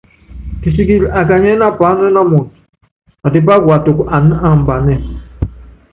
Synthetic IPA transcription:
ki˨si˦ɡi˦˨ɾa˨ka˨ɲɛ˦na˦pa˨˦n˦ɛ˦na˦mɔ˨t | a˨di˦ba˦ɡwa˨tu˨ka˨n˦a˨m̩˨ba˨nɛ˦˨

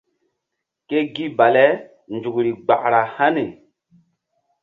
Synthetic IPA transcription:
ke˦ɡi˦ba˨lɛ˦ | nd͡ʒu˨kɾi˨ɡ͡ba˨ʔɾa˨ha˦ne˨

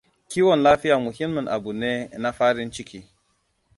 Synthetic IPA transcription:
kʲiː˦wɔ˨nlaː˦ɸɪ˦jaː˨mʊ˨hi˦mːi˨nʔa̰˨bu˨neː˦na˦ɸaː˦ɽɪ˦nt͡ʃɪ˦kʲiː˦

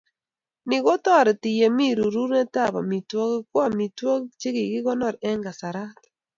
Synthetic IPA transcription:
nɪ˨ɣo˦tɔ˦˨ɾɛ˨tɪ˨jɛ˨mi˦ɾu˨ɾu˦ɾnɛ˦ta˦˨ba̰˨mi˨twɔ˦kɪ˦kwa˦mi˨twɔ˦kt͡ʃe˦kɪ˨ɡɪ˦ɣɔ˦nɔ˦˨ɾɛ˦ŋɡa˨sa˨ɾa˦t

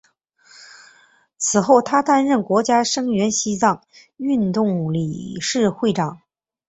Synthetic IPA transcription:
t͡sʰɹ̩˨˩xo˥˩ʊt̪ʰa˥t̪a˥nɻə˥˩nkwɔ˧˥t͡ɕja˥ʂɤ˥ŋɥɛ˧˥nɕi˥t͡sɑ˥˩ŋ | y˥˧nt̪ʊ˥˩ŋlḭ˨˩ʂɻ̩˥˧xwe˥˩ɪʈ͡ʂɑ˨˩˦ŋ

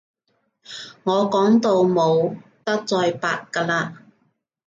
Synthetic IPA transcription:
ŋɔː˨˧kɔː˨˥ŋt̪o˧wmo˨˧wt̪ɐ˥k̚t͡sɔː˧jpa̰ː˧t̚kaː˧laː˧

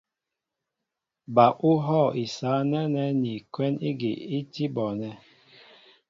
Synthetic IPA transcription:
ba˨ʔu˦ɦɔ˦˨i˨sa˨˦nɛ˦nɛ˦ni˨kwɛ˦ni˦ɡi˨i˦ti˦bɔ˨nɛ˨

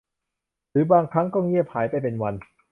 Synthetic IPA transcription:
ɾɯː˩˦baː˧ŋkʰa˦˥ŋkɔː˥˩ŋi˥˩əp̚haː˩˦jpa˧˨jpe˧nwa˧n

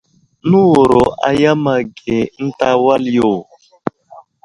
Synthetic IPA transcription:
nu˦wo˨ɾo˨ʔa̰˨ja˦ma˨ɡe˨n̩˦ta˦wa˦ljo˨

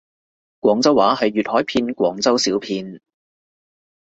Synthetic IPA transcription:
kwʷɔː˨˥ŋt͡sɐ˥waː˨˥ɦɐ˨jːyː˨t̚hɔː˨˥jpʰiː˧nkʷwɔː˨˥ŋt͡sɐ˥wsiː˨˥wpʰiː˧n

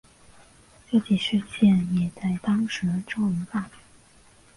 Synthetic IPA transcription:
ʈ͡ʂɤ˥˧t͡ɕi˨˩ʂɻ̩˥˧t͡ɕjɛ˥˩njɛ˨˩t͡sa˥˩ɪt̪ɑ˥ŋʂɻ̩˧˥˧ʈ͡ʂo˥ŋi˧˥pa˥˩

